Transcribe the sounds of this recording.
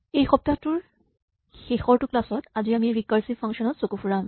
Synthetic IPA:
ejxɔp̚tatʊɹ | xexɔɹtʊklasɔtaziamiɹikaɹsipʰaŋʃɔnɔtsokupʰuɹam

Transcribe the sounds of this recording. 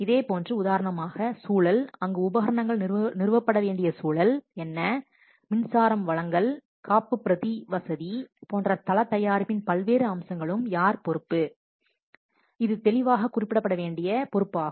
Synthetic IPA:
ɪðeːpoːndrɯʊðaːɾɐɳɐmaːɣɐsuːɭɐlɐŋɡɯʊbɐɦɐɾɐɳɐŋɡɐɭnɪrɯʋɐpːɐɽɐʋeːɳɖɪjɐsuːɭɐlɛnːɐ | mɪnsaːɾɐmʋɐɭɐŋɡɐɭ | kʰaːpːɯpːɪɾɐðiʋɐsɐðipoːndrɐt̪ɐlɐt̪ːɐjaːɾpɪnpɐlʋeːɾɯɐmsɐŋɡɐɭɯmjaːɾpɔɾɯpːɯ | ɪðɯt̪ɛɭɪʋaːɣɐkʊrɪpːɪɽɐpːɐɽɐʋeːɳɖɪjɐpɔɾɯpːaː

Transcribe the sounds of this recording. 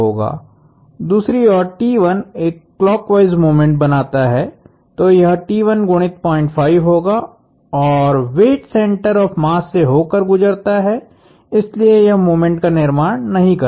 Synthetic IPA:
ɦoːɡa̰ː | d̪uːsɾiɔːɾʈiːʋɐneːkːlɔːkʋaːɪzmoːmẽɳʈ̚bɐnaːt̪aɦɛ | t̪oːjɐɦʈiːʋənɡʊɽ̃ɪt̪̚pɔ̃ːɪ̃ɳʈfʰaːɪʋɦoːɡa | ɔːɾʋeːʈsɛ̃ːɳʈəɾɔːfmaːsːeɦoːkəɾɡʊd͡ʒəɾt̪aɦɛ | ɪsliejɐɦmoːmẽɳʈkanɪɾmaːɽnɐɦĩkɐɾ

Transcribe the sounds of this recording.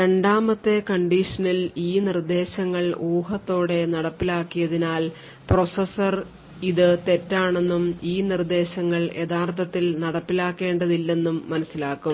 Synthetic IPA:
ɾe̞ɳɖaːmɐt̪ːe̞kɐɳɖiʂɐnɐliːnird̪e̞ːɕɐŋːɐɭoːɦɐt̪ːo̞ːɽe̞nɐɽɐpːilaːkːijɐðinaːl | pro̞sɐsɐr | iðɨt̪e̞tːaːɳe̞nːumiːnird̪e̞ːɕɐŋːɐɭe̞ðaːrt̪ʰɐt̪ːilnɐɽɐpːilaːkːe̞ːɳɖɐðilːe̞nːumːɐnɐsːilaːkːum

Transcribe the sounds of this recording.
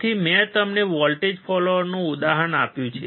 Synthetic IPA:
t̪ʰimɛ̃t̪əmneʋɔlʈed͡ʒpʰɔloʋəɾnũud̪aɦənapjũt͡ʃʰe

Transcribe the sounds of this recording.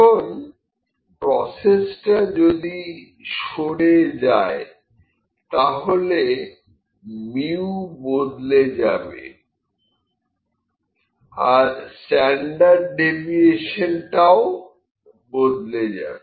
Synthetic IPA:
on | pɾɔsesʈad͡ʑod̪i | ʃoɽed͡ʑae | t̪aɦole | miubod̪led͡ʑabḛ | aɾsʈɛɳɖaɾɖːebieʃenʈao | bod̪led͡ʑa̰be

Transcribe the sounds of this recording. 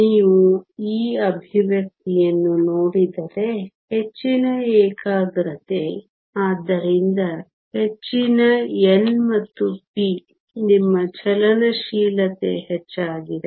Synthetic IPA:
niːʋuiːɐbʱiʋjɐk̚t̪ijɐnːuno̞ːɽid̪ɐɾe̞ | he̞t͡ʃːinɐeːkaːɡɾɐt̪e | aːd̪ːɐɾind̪ɐ | he̞t͡ʃːinɐenmɐt̪ːupi | nimːɐt͡ʃɛlɐnɐʃiːlɐt̪ḛhet͡ʃːaːɡid̪e

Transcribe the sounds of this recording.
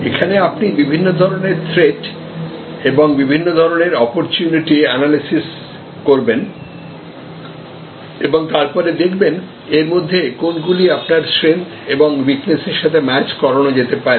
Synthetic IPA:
ekʰaneapnibibʱinːod̪ʱɔɾoneɾt̪ʰɾeʈ | eboŋbibʱinːod̪ʱɔɾoneɾɔpoɾt͡ɕuniʈiɛnalisis | koɾben | eboŋt̪aɾpɔɾed̪ekʰben | eɾmod̪ʱːekonɡuliapnaɾsɾent̪ʰeboŋwikneseɾʃat̪ʰemɛt͡ɕkɔɾonod͡ʑet̪epaɾe

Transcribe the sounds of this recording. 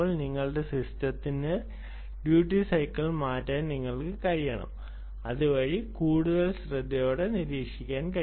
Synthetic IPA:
oːɭniŋːɐɭɨɖe̞sistɐt̪ːinɨ | ɖjuːʈːisɐjkːɐɭmaːtːaːnniŋːɐɭkɨkɐɻijɐɳɐ̰m | ɐðɨʋɐɻikuːɽuðɐlɕrɐd̪ʱːɐjoːɽe̞niɾiːkʂikʲːaːnkɐ

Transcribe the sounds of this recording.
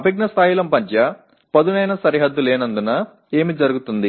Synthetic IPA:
ɐbɐɡ̚nɐst̪ʰaːjilɐmpɐɲt͡ʃɐ | pɐd̪unɐjnɐsɐɾiɦɐd̪ːuleːnɐnd̪unɐ | e̞ːmid͡ʒɐɾuɡut̪und̪i

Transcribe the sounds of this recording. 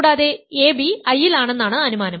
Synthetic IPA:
ɽaːðe̞eːbiɐjːilaːɳe̞nːaːɳɨɐnumaːnɐm

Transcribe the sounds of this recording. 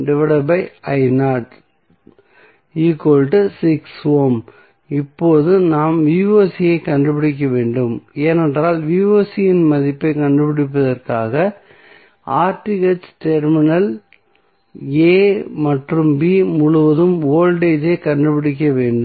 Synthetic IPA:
ɖɛʋɛɽɐbɐɪɐɪnaːʈ | iːkoːlʈɯsɪksʋoːm | ɪpːoːðɯnaːmʋiʋoːsɪjɐɪkɐɳɖɯpɪɽɪk̬ːɐʋeːɳɖɯmeːnɛndraːlʋiːʋoːsɪjɪnmɐðɪpːɐɪkɐɳɖɯpɪɽɪp̬ːɐðɐrkaːɣɐ | aːɾʈɪɣɐt͡ʃʈɛɾmɪnɐl | eːmɐʈrɯmbiːmʊɻʊʋɐðɯmoːlɖeːd͡ʒɐɪkɐɳɖɯpɪɽɪk̬ːɐʋeːɳɖɯ

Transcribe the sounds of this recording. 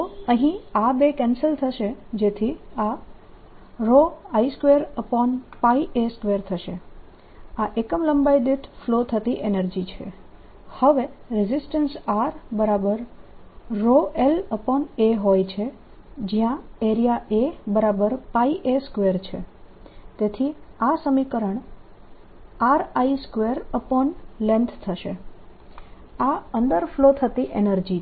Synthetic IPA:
t̪oəɦĩabekɛnsəlt̪ʰəʃed͡ʒet̪ʰia | ɾoaiskʋeɾəpɔnpaiʔeskʋeɾt̪ʰəʃe | aʔekəmləmbajd̪eʈflot̪ʰət̪iʔenəɾd͡ʒit͡ʃʰḛ | həʋeɾɪzɪsʈənsaɾbəɾabəɾ | ɾoʔeləpɔneɦojt͡ʃʰe | d͡ʒijãeɾijaʔebəɾabəɾpaiʔeskʋeɾt͡ʃʰḛ | t̪et̪ʰiasəmikəɾəɳ | aɾaiskʋeɾəpɔnlɛ̃nt̪ʰt̪ʰəʃe | aənd̪əɾflot̪ʰət̪iʔenəɾd͡ʒi

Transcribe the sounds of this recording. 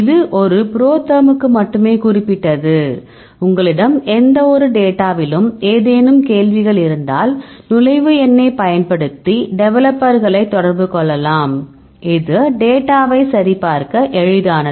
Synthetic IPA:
ɪðɯʔɔɾɯpɪɾoːt̪ːɐmɯkːɯmɐʈːɯmeːkʊrɪpːɪʈːɐðɯ | ʊŋɡɐɭɪɽɐmɛnd̪ɐɔɾɯɖeːʈːaːʋɪlɯmeːðeːnɯmkeːlʋɪɣɐɭɪɾɯnd̪a̰ːlnʊlɐɪʋɯɛnːeːpɐjɐnpɐɽɯt̪ːiɖɛʋɛlɐpːɐɾɣɐɭɐɪt̪ːɔɽɐɾbɯkɔɭːɐlaːm | ɪðɯɖeːʈːaːʋɐɪsɐɾipaːɾkɐʔɛɻɯðaːnɐð

